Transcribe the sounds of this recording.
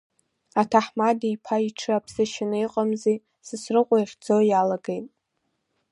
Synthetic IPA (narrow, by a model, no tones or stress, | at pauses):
atʰaħmadijpʰaiʈ͡ʂʰɨapʰsɨʃɪnɨiqʼamze | sɨsrɨqʷʼajχʲd͡zo̞jalaɡejtʼ